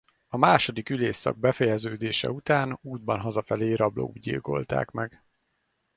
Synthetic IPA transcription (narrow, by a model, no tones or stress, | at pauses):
ɒmaːʃo̞d̪ikyleːsːɒ̰ɡ̚bɛfɛjɛzøːd̪eːʃɛ̰ut̪aːnuːd̪̚bɒnɦɒzɒfɛleːɾɒblo̰uɟḭlko̞̰lt̪a̰ːkmɛɡ